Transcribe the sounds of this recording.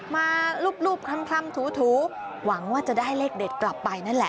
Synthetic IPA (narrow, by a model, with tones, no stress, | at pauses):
maː˧luː˥˩p̚luː˥˩p̚kʰa˧mkʰɾa˧˥˨mt̪ʰuː˩˦t̪ʰuː˩˦ | wa˩˦ŋwaː˥˩t͡ɕa˨˩daː˥˩jleː˥˩k̚de˨˩t̪̚kla˨˩pːa˧jna˥˩nlɛ̰˨˩ʔ